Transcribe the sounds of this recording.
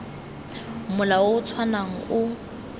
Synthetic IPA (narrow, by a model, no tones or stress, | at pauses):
mʊlawoʊt͡sʰwanaŋ̩ʊ